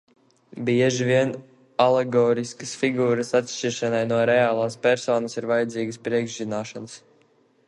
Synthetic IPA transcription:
bʲiɛʒivʲiɛn | aleɡɔːɾiskɐsfiɡuːɾəsat̪ʃt͡ʃiɾʃanajnuɔɾɛaːlˠaːspʲɛɾsɔːnɐsiɾvajad̪ziːɡəspɾiɛɡʒzinaːʃans

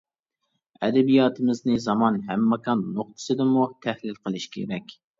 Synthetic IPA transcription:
ɛ̰d̪ɛbijɑːt̪ʰɨmɪznɨzɑmɑnɦæmːɑkʰɑnːoχ̚t̪ʰɨ̥sɨd̪ɨmut̪ʰæhlɪlqʰəlˠɨʃkʲʰḛɾɛkʲ

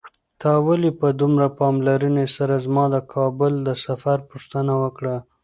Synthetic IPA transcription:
t̪ɑwalipəd̪umɾapɑmlaɾunesaɾazmɑd̪əkʰɑbʊld̪əsafaɾpuʂt̪ənawəkɽa

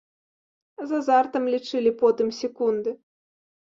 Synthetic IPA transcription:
zɐzart̪ɐmlʲit͡ʂɨlʲipɔt̪ɨmsʲɛkund̪ɨ

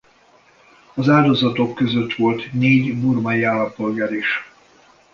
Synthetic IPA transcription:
ɒzaːld̪o̞zɒt̪o̞kːøzø̞t̪ʋo̞lt̪neːɟburmɒjiaːlːɒmpo̞lɡaːɾiʃ

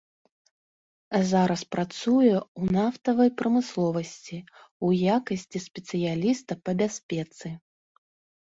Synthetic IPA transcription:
zaɾɐspɾat̪sujɛwnaft̪ɐvɐjpɾɐmɨslˠɔvɐsʲt͡sʲi | ujakɐsʲt͡sʲisʲpʲɛt̪sɨjalʲist̪ɐpɐbʲasʲpʲɛt̪sɨ

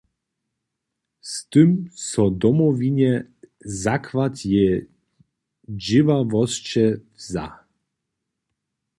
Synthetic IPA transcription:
st̪ɨmsɔd̪ɔmɔviɲɛzakvat̪jɛ | d͡ʑɪvavɔst͡ɕɛvza̰

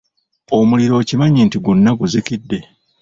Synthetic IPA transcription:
o̞muliɾo̞ːcimaɲeːntiɡunːaɡuzikidːe̞

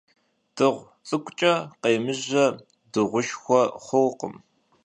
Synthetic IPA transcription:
d̥ɨʁʷ | t͡sʼɨkʷʼt͡ʃʼɐqejmɨʑɐ | dɨʁʷʊʃxʷɔχʷʊwqə̰m

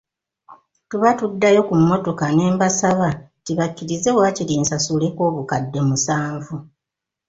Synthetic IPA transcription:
tuβatudːajo̞kumːo̞to̞kane̞ːmbasaβa | tiβakːiɾize̞βwaːciɾiːnsasule̞ko̞ːβukadːe̞musaːɱvu

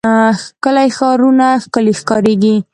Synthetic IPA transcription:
xkəlajxɑɾunaxkəlexkɑɾeɡi

